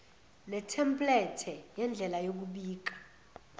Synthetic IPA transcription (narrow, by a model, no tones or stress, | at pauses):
nɛtʰɛmpʼlɛtʰɛjɛnd͡ɮʱɛlajok̬uɓiːk̬ḁ